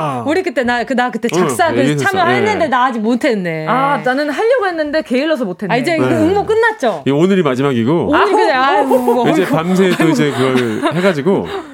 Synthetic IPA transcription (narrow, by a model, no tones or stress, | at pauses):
uɾikɯt͈e̞nakɯnakɯt͈e̞t͡ɕaks͈aɯamjʌɦaɦenːɯnde̞naad͡ʑimotʰe̞nːeananɯnɦaʎːʌɡɦe̞nːɯnde̞ke̞iɭːʌs̬ʰʌmotʰenaid͡ʑe̞ɯuŋmok͈ɯnːat̚t͡ɕ͈oionɯɾimad͡ʑimaɡiɡoonɯɾikɯeaɯŋɯoid͡ʑepams̬ʰet͈oid͡ʑe̞kɯɡʌɭhe̞ɡad͡ʑiɡo